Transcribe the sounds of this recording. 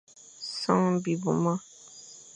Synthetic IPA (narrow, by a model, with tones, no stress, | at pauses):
sã˦ŋbi˨bu˨ma˦